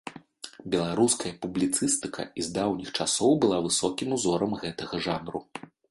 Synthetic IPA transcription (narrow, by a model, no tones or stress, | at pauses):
bʲɛlˠaɾuskɐjɐpublʲit̪sɨst̪ɨkʰɐ̰izd̪awnʲixt͡ʂasɔwbɨlˠavɨsɔkʲimuzɔɾɐmɣɛt̪ɐɣɐʐanɾṵ